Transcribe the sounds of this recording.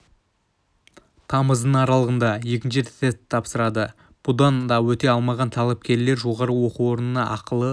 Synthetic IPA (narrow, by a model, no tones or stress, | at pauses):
t̪ʰɑməzd̪əɴɑɾɑlˠəʁənd̪ɑje̞kʲɪnʃɪest̪ʰːɑpsəɾɑd̪ə | b̥ud̪ɑnd̪ɑwɵt̪e̞ɑlˠmɑʁɑnt̪ʰɑlˠɑp̚kʲe̞ɾle̞ɾʒo̞ʁɑɾəwo̞quo̞ɾənənɑʔɑqəlˠə